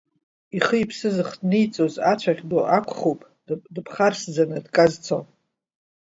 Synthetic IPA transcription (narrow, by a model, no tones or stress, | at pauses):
iχəipʰsɨzɨχdnijt͡sʼozat͡ʃʷʰaʁʲdoʔakʷʰχopʼ | dɨpʰχarsd͡zanɨdkʼazt͡sʰo̰